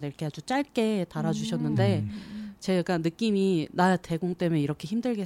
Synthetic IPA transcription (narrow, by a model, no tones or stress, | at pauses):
deɾkʰeɦad͡ʑut͡ɕ͈aɭk͈e̞taɾad͡ʑuɕʰʌnːɯnde̞t͡ɕe̞ɡanɯk͈iminaate̞ɡoŋt͈e̞meiɾʌkʰe̞çimdɯɭɡe̞